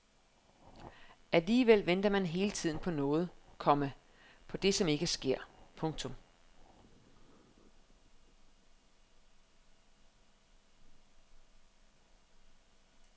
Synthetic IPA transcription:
ʔæliːʋel̰ʋen̰d̥ɐmænɦe̝ːlət͡sʰið̞̰ˠn̩pʰɒ̽nɔ̽ːð̞̩ˠkʰɒ̽mə | pʰɒ̽d̥e̝sɒ̽me̝ɡ̥əsɡ̥e̝ɐ̰pʰɔ̽ŋt͡sʰɔ̽m

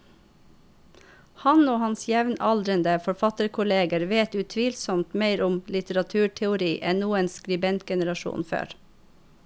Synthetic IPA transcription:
hɑnoːhɑnsjɛʋnɑld̪ɾənd̪əfɔɾfɑt̪əɾkʰʊleːɡəɾʋeːt̪ʉt̪ʰʋiːlsɔmt̪meɪɾʊmlɪt̪əɾɑt̪ʰʉːʈʰɛʊɾiːʔɛnnuːənskɾɪbɛnt̪ɡɛnəɾɑʃṵːnfø̰ːɾ

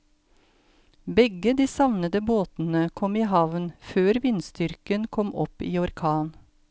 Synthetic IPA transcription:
bɛɡəd̪iːsɑʋnəd̪əboːt̪n̩əkʰɔmiːɦɑʋnføːɾʋɪnst̪ʏɾkənkʰɔmʔɔpiːɔɾkʰɑːn

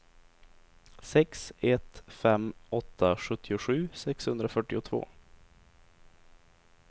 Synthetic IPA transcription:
sɛksɛt̪fɛmːɔt̪ʰːaɧɵt̪ʰːɪʊɧʉ̟ːsɛkshɵnd̪ɾafœʈːɪʊt̪ʰv̥o̰ː

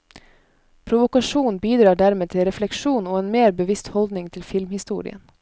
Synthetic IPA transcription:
pʰɾʊʋʊkɑʂuːnbiːd̪ɾɑːɖæɾmeːt̪ʰɪlɾɛflɛkʂuːnoːeːnmeːɾbəʋɪst̪hɔld̪nɪŋt̪ʰɪlfɪlmhɪst̪ṵːɾɪ̰ə̰n

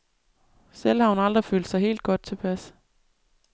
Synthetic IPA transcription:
selhɑ̈ʊn̩ɑɑ̈ld̥ʁifø̰ːld̥sɑ̈ɪɦe̝̰ːld̥̚ɡ̥ɒ̽d̥̚t͡sʰe̝pʰæs

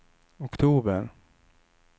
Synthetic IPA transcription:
ɔkt̪ʰuːbəɾ

